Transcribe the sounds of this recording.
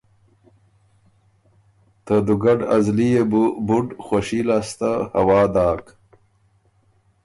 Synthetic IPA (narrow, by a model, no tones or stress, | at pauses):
t̪əd̪uɡaɖɐzliebubuɖxwaɕilast̪ahɐwɑːd̪aːk